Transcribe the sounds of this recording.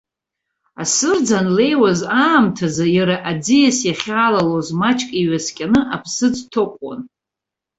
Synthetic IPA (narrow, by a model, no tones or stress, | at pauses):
asɨrd͡zanle̞jwazaːmtʰazajaɾaʔad͡zijasjaχʲaːlalozmat͡ʃʼkʼiɥaskʲʼanɨʔapʰsɨd͡ztʰokʷʼwa̰n